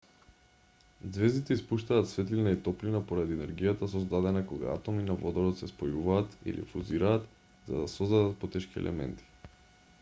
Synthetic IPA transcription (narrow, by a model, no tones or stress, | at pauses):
d̪zvɛzd̪it̪ɛispuʃt̪aːt̪svɛt̪linait̪ɔplinapoɾad̪iɛnɛɾɡijat̪as̬ɔzd̪ad̪ɛnakoɡa̰a̰t̪ɔminavɔd̪ɔɾɔt̪sɛspojuvaːt̪ḭlʔḭfuziɾaːt̪ | z̥a̰d̪asɔzd̪ad̪at̪̚pɔt̪ɛʃkiɛ̰lʔɛ̰mɛ̰nt̪ʰi̥